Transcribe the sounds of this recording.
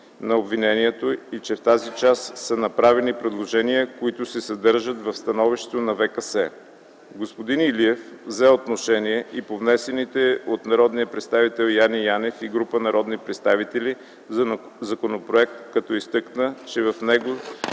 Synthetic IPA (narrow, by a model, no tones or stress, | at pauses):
nɐobvinɛniɛt̪oit͡ʃɛft̪azit͡ʃasːɐnɐpɾavɛnipɾɛd̪lˠoʒɛniəkoit̪ʊsɛsɐd̪ɤɾʒət̪vɐfst̪ɐnɔviʃt̪ɛ̥t̪onɐvɛkəsɛ | ɡospod̪iniliɛfvzɛot̪noʃɛniɛʔipovnɛsɛnit̪ɛot̪nɐɾɔd̪nijəpɾɛt̪st̪avit̪ɛlˠjanijanɛfiɡɾupənɐɾɔd̪nipɾɛt̪st̪avit̪ɛli | zɐ | zɐkonopɾoɛk̚t̪kɐt̪ɔist̪ɤknət͡ʃɛvɐfnɛɡo